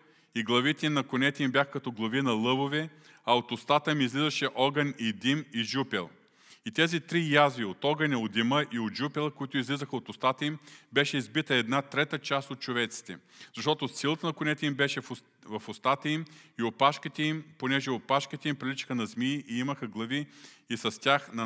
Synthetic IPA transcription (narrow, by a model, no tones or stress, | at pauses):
iɡlˠɐvit̪ɛimnɐkonɛt̪ɛimbʲjaxəkɐt̪ɔɡlˠɐvinɐlˠɤbovɛ | ɐot̪ost̪at̪əimizlizɐʃɛʔɔɡɐnʲid̪imiʒupɛlˠ | it̪ɛzit̪ɾijazviot̪ɔɡɐnʲɐod̪iməʔiod̪ʒupɛlˠəkoit̪ʊizlizəxəot̪ʊst̪at̪əimbɛʃɛizbit̪əɛd̪nat̪ɾɛt̪ət͡ʃast̪ot̪̚t͡ʃovɛt̪si̥t̪ɛ̰z̥ɐʃt̪ɔt̪osilˠət̪ənɐkʊnɛt̪ɛimbɛʃɛf | vɐfost̪at̪əimiopaʃkət̪ɛimponɛʒɛopaʃkət̪ɛimpɾilʲit͡ʃə̥xənɐzmiʔiimɐxəɡlˠɐviːsɐst̪ʲjaxnɐ